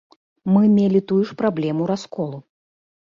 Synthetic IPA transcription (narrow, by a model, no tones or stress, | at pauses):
mɨmʲelʲit̪ujuʂpɾablʲɛmuɾaskɔlˠu